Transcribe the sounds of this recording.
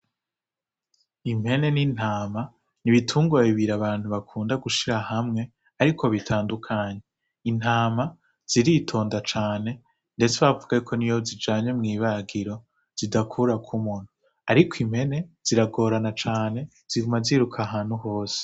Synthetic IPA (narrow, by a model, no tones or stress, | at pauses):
im̥he̞ne̞nin̥haːma | niβitʰuːŋɡoaiβiɾaβaːn̥huβakʰuːndaɡuʃiɾahamŋe̞ | aɾikʰo̞βitʰaːndukʰaːɲe | in̥aːma | z̥iɾitʰo̞ːndat͡ʃaːne̞ | nde̞t͡seβavuɡakʰo̞nijozid͡ʒaːɲwemŋiːβaɡiɾo̞ | z̥idakʰuɾakʰumun̥u | aɾikʰim̥he̞ne̞z̥iɾaɡo̞ːɾanat͡ʃaːne̞ | z̥iɡumaziɾukʰaɦaːn̥huho̞ːse̥